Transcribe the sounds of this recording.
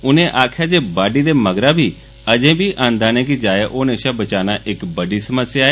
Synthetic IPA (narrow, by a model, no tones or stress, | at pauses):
ʊnẽːʔaːkʰjaːd͡ʒeːbaːɖiːd̪eːməɡɾãːbʱiː | əd͡ʒẽːbʱiːʔãːnd̪aːnɛ̃ːk̬ɪd͡ʒaːeʔoːnẽːʃaːbət͡ʃaːnaːʔɪkbəɖiːsəməsjaːeː